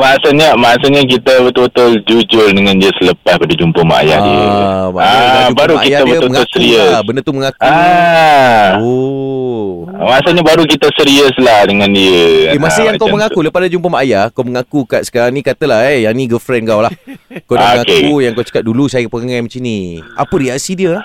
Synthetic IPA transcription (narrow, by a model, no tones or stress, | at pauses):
maasəɲamaasəɲak̬it̪abət̪ubət̪ʊld͡ʒud͡ʒʊldəŋãndiəsələpaspadad͡ʒumpəma̰a̰ja̰hdḭə̰maaubaɾuakijaəbəməŋʊlsəɾiəbəndət̪uməŋakua | o | masəɲabaɾuk̬it̪əsəɾiəslahdəŋãndiəemasəjaŋkawməŋauləpadad͡ʒumpəmajakawməŋakukat̪sə̥kaɾaŋnikat̪əlahejanĩɡəfɾɛnkawlahkawdamŋakeujaŋkawt͡ʃə̥kat̪̚dulusajəkpəŋajmət͡ʃinia̰pəɾiasidiəlah